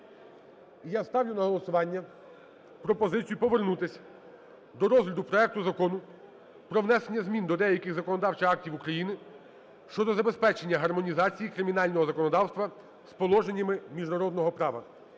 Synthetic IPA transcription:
jast̪ɑwlʲʊnɐɦɔlˠɔsʊʋɑnʲːɐ | pɾɔpɔzɪt͡sʲijupɔʋernut̪ɪsʲ | d̪ɔɾɔzɦlʲɐd̪ʊpɾɔɛk̚t̪ʊzɐkɔnʊ | pɾɔwnɛsenʲːɐzmʲind̪ɔd̪ɛjɐkɪɣzɐkɔnɔd̪ɑwt͡ʃɪɑk̚tʲiwukɾɐjinɪ | ʃt͡ʃɔd̪ɔzɐbe̞spɛt͡ʃenʲːɐɦɐrmɔnʲizɑt͡sʲijikɾɪmʲinɑlʲnɔɦɔzɐkɔnɔd̪ɑwst̪ʋɐ | spɔlˠɔʒe̞nʲːɐmɪmʲiʒnɐɾɔd̪nɔɦɔpɾɑʋɐ̰

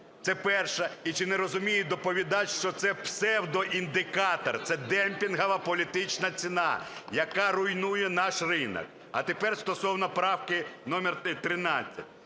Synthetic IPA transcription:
t̪sɛpɛrʃɐit͡ʃɪneɾɔzʊmʲijɪd̪ɔpɔʋʲid̪ɑtʲʃt͡ʃɔt̪sɛpsɛwd̪ɔʔind̪ɪkɑt̪ɐ̰rt̪sɛd̪ɛmpʲinɦɐʋɐpɔlʲit̪ɪt͡ʃnɐt͡sʲinɑjɐkɑɾʊjnujɛnɑʃrɪnɐ̰k | ɐt̪epɛrst̪ɔsɔwnɐpɾɑwkɪnɔmʲɛrt̪ɾɪnɑt͡sʲːɐ̰tʲ

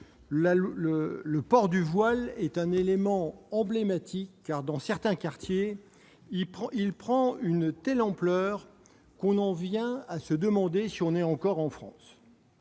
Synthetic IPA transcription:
laələpɔʁd̪yvwalɛt̪ɛ̃nelemɑ̃ɑ̃blemat̪ʰikːaʁd̪ɑ̃sɛʁt̪ɛ̃kaʁt̪je | ilpχɑ̃ynt̪ɛlɑ̃plœːʁ | kɔ̃nɑ̃vjɛ̃asəd̪əmɑ̃d̪esiɔ̃nɛɑ̃kɔʁɑ̃fχɑ̰̃s

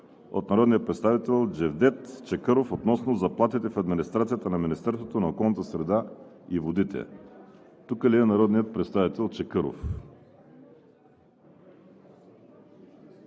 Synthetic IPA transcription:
o̰t̪nɐɾɔd̪nijət̪̚pɾɛt̪st̪avit̪ɛlˠd͡ʒɛvd̪ɛt̪t͡ʃɛkɤɾofot̪nɔsnozɐplˠat̪it̪ɛfɐd̪minist̪ɾat̪sijət̪ənɐminist̪ɛɾst̪vot̪onɐokɔlˠnət̪əsɾɛd̪a | ivod̪it̪ʰɛ̰ | t̪ukəliɛnɐɾɔd̪nijət̪̚pɾɛt̪st̪avit̪ɛlˠt͡ʃɛkɤɾo̰f

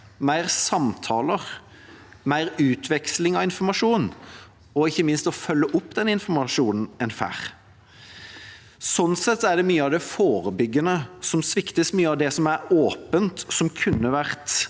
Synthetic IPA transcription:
mæɪʁsɑmt̪ʰɑːləʁ | mæɪɾʉːt̪ʰʋɛkslɪŋɑʋɪnfɔɾmɑʂuːn | ɔɪçːəmɪnst̪ɔfœlːəʔʊpːd̪ɛnɪnfɔɾmɑʂuːnn̩ɛnfæ̰ːʁ | sɔnsɛt̪ːæɖ̪ɛmyːəɑʋd̪ɛfoːɾəbʏɡːənəsɔmsʋɪkt̪əsmyːəɑʋd̪ɛsɔmæɾoːpənt̪sɔmkʰʉnːəʋæʁt̪

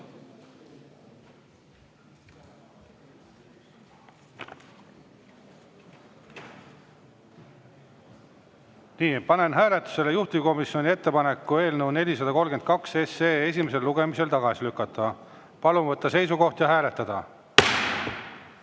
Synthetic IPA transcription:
niːpɑne̞nɦæːle̞t̪ːˑu̥se̞lejuht̪iko̞misio̞nʲie̞t̪ːe̞pɑne̞kːue̞ːlnəwne̞lʲisɑd̪ɑko̞lɡe̞nd̪kɑkse̞seːes̬ʲime̞s̬e̞lːuɡ̥e̞mise̞lt̪ɑɡ̥ɑsilykːˑɑt̪ˑːɑ | pɑlumvɤt̪ːˑɑse̞js̬uko̞ht̪jɑɦæːle̞t̪ːˑɑd̪̥ɑ̰

